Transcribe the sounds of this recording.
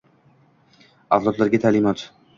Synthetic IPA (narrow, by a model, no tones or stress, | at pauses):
awlˠɒt̪laɾɡʲat̪ʰalɪmɒt̪